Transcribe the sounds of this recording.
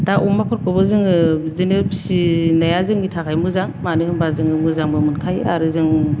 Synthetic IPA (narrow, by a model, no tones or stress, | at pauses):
d̥aʔumapʰɔɾkʰɯbɯzɯŋɯzɯnɯpʰsinajazɯŋitʰakʰajmɯzaŋmanɯhɯmbazɯŋɯmɯzaŋbɯmɯnkʰajaɾɯzɯŋ